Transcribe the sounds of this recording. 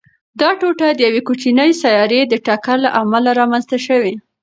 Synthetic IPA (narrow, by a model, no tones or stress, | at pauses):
d̪ɑʈoʈad̪əjawekut͡ʃinəjsajɑɾed̪əʈakaɾlaʔamalaɾɑmanzt̪aʃəwi